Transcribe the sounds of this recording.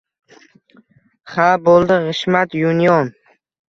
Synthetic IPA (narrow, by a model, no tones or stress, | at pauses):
χabolˠd̪ɪʁɪʃmat̪junijɒn